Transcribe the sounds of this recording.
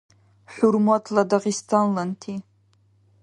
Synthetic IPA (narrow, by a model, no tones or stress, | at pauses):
ħʷurmatʰladaʁistʰanlantʰi